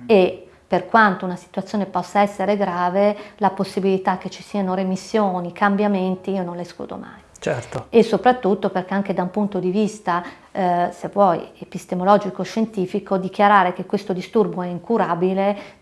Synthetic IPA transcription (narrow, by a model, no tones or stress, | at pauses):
e | perkwant̪ounasi̥t̪ut̪sːjoːnepɔsːaɛsːeɾeɡɾaːvelaposːibilit̪akːet͡ʃːi̥siːanoɾemisːjoːnikambjament̪iiononlesklṵːd̪o̰ma̰j | t͡ʃɛrt̪oesːopɾat̪ːut̪ːoperk̟eaŋk̟ed̪aumpunt̪od̪ivist̪a | sevːwɔjepist̪emolɔd͡ʒikoʃːent̪iːfikod̪ik̟jaɾaːɾek̟ekwest̪od̪ist̪urboɛiŋkuɾaːbile